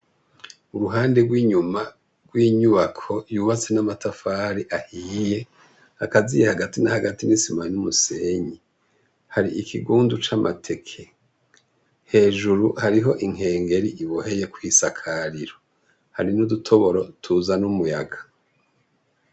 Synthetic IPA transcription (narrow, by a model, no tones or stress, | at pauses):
uɾuɦaːndeɡwiːɲuma | ɡ̥wiːɲuβakʰo̞juːβat͡se̞namatʰafaːɾiʔahiːje̞ | akazijehaɡatinahaɡatinisimanumuse̞ːɲi | haɾiʔikʰiɡuːndut͡ʃamʔa̰tʰe̞kʰe̞ | he̞ːʒuɾuhaɾiɦo̞ʔiŋ̥e̞ːŋɡe̞ɾiʔiβohe̞je̞kuhisakʰaɾiɾo | haɾinudutʰo̞βo̞ɾo̞tʰuzanumuja̰ɡa